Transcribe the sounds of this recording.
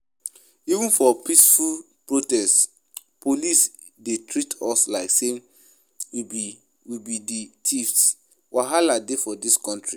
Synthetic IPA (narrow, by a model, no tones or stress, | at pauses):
ivũnfɔpisful | pɹotɛst | pʰolis | detʰɹitʰɔslaɪksen | wibi | wibiditʰifs | wʔaɦaladefɔdiskɔ̃ntɹi